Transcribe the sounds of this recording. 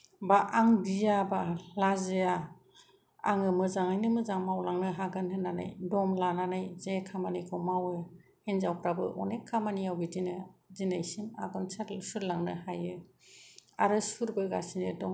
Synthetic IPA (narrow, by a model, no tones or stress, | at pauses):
baʔaŋbijabalazɯja | aŋɯmɯzaŋajnɯmɯzaŋmawlaŋnɯɦaɡanhɯnːana̰jdɔmlananajzekʰamanajkʰɔmawɯ | henzawpɾabɯ̰ʔɔ̰nekʰːamanijawbidinɯzinajsima̰ɡɔnsasuɾlaŋnɯhajɯ | aɾɯsuɾbɯɡasinɯdɔ